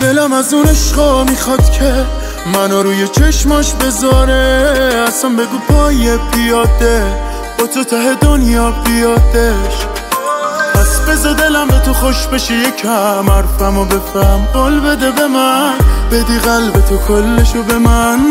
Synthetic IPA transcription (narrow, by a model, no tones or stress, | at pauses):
d̪̥elæmæzuneʃqɒmixɒd̪̥cʰe | mænɔɾuːjet͡ʃʰeʃmɒʃbe̞zɒɾeæsænbe̞ɡuːpʰɒːjebijɒd̪e | b̥ɒt̪ʰot̪ʰæɦed̪o̞njɒːbijɒd̪eʃ | pʰæsbezɔd̪e̞læmbet̪ʰoχoʃbeʃejekʰæmæɾfæmobe̞fæmɡolbe̞d̪ebe̞mænbed̪iɣælbe̞t̪ʰokʰolːeʃobe̞mæn